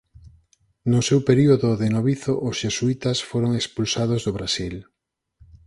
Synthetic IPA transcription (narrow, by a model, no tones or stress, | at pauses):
nʊsewpeɾioðʊðenoβiθoʔosʃesuit̪asfoɾoŋekspulsaðozðoβɾasil